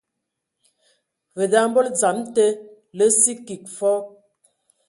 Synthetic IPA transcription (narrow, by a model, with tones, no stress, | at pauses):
və˨da˦m˦bɔ˦ld͡za˨˦mtə˦ | lə˦si˦ki˨k̚fɔ˦